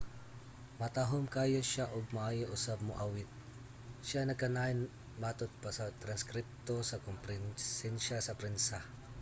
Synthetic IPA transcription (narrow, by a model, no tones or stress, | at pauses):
mɐt̪aɦomkaːjoʃaʔoɡ̚maʔajɪʔʊsab̚moʔawɪt̪̚ | ʃanɐɡkɐnaɪn | mat̪ʊt̪̚pɐsɐt̪ɾɐnskɾɪp̚t̪osɐkompɾɛnsɛnʃasɐpɾɛnsɐ